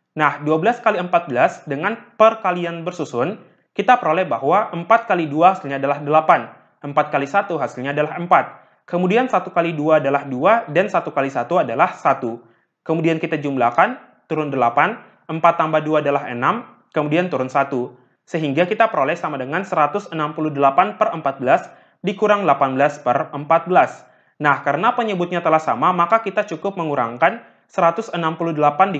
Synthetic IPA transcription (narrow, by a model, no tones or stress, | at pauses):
nahduabəlaskaliəmpat̪̚bəlasdəŋanpərkalianbərsusʊn | kit̪apəɾolɛhbaɦwaʔəmpat̪̚kaliduahasilɲaːdalahdəlapan | əmpat̪̚kalisat̪uɦasilɲaːdalaɦəmpat̪̚ | kəmudiansat̪ukaliduaːdalahduadansat̪ukalisat̪uadalahsat̪u | kəmudiankit̪ad͡ʒumlakan | t̪uɾʊndəlapan | ʔəmpat̪ːambaduaːdalaɦənam | kəmudiant̪uɾʊnsat̪u | səɦiŋɡakit̪apəɾolɛhsamadəŋansəɾat̪ʊsənampuludəlapanpərəmpat̪̚bəlas | dikuɾaŋlapanbəlaspərəmpat̪̚bəlas | nahkaɾənapəɲəbʊt̪̚ɲat̪əlahsamamakakit̪at͡ʃukʊp̚məŋuɾa̰ŋkan | səɾat̪ʊsənampuludəlapandi